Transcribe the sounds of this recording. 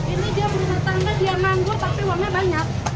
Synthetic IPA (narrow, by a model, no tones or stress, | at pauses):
inudiabəɾunat̪ankadiamaŋɡot̪apiwarɲabaɲak̚